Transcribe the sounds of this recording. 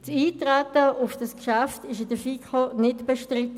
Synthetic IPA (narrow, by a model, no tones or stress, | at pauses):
tt͡siːtʁatəʊfd̥ɑskʃaftɪʃ̬ɪdəfiːkʰonɪtb̥eʃtʁɪtə